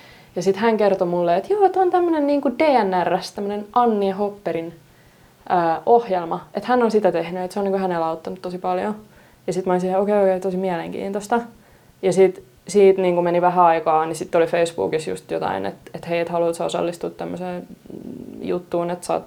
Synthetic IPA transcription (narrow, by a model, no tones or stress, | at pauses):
jɑsit̪hæŋkert̪omulːeet̪joːet̪ont̪æmːønenniːŋkud̥eːænːærːæst̪æmːənenɑnːiehopːeɾin | ʔəːʔohjelmɑet̪hænːonsit̪æt̪ehnyet̪seoniŋkuhænelɑut̪ːɑnut̪t̪osipɑljo | jɑsit̪mɑnsiheokeiokeit̪osimiæleŋkḭːnt̪ost̪ɑ | jɑsit̪ | siːt̪niːŋkumeniʋæɦæɑikɑːnisit̪ːolifeisb̥ṵːkisjṵst̪jo̰t̪ɑ̰inḛt̪et̪heiet̪hɑluːt̪sɑo̰sɑ̰lːist̪ut̪t̪æmːøseː | jṵt̪ːuːnet̪sɑ̰ːt̪